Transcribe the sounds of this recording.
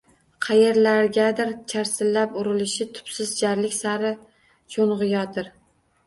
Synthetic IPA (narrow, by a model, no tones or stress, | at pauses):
qʰɑjeɾlaɾɡʲad̪ɪɾt͡ʃʰaɾsɪlːapʊɾɪlɪʃɪt̪ʰʊ̥psɪzd͡ʒaɾlɪkʲsaɾɪ | t͡ʃʰonʁɨjɒd̪ɪɾ